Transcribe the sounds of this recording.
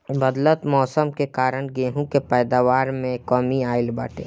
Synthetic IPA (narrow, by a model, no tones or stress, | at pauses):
bəd̪lət̪mɔːsəmkekaːɾəɽ̃ɡẽːɦũkepɛːd̪aːʋaːɾmẽkɔːmiaːɪlbə̰ːʈḛː